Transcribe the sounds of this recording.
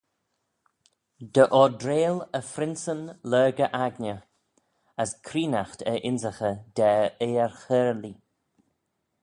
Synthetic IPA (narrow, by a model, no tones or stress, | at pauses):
d̪əʔɔdɾeːləfɾɪnsənlɜːɡəʔaɡnə | əskʰɾiːnaxt̪əʔɪnzəxəd̪̥ɛːeːəɹxəːɾəli